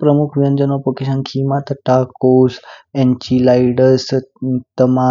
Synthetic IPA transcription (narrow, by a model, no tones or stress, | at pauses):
pɾəmukʰʋijənd͡ʒənopəkiʃankʰimat̪ʈaːkoːsent͡ʃilajɖəɾst̪əma